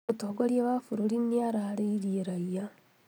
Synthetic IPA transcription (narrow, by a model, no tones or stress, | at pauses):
otoɡoɾjeβafuɾoliniaɾaːɾeiɾieɾaija